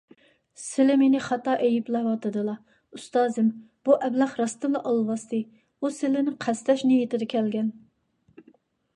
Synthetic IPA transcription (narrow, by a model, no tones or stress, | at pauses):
sɪlɪmenɪχɑt̪ɑʔejiplɛwɑt̪ɨd̪ɨlˠɑ | ust̪ɑːzɪm | b̥uʔɛblɑχɾɑst̪ɨmlˠɑʔɑlˠwɑst̪ɨ | usɪlɪnɪqʰæst̪ɛʃnejit̪ɪd̪ɛkʲʰɛlɡʲɛn